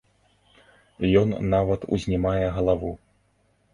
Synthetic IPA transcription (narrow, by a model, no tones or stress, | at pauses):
jɔnːavɐt̪ṵzʲnʲɛmajɛɣɐlˠavu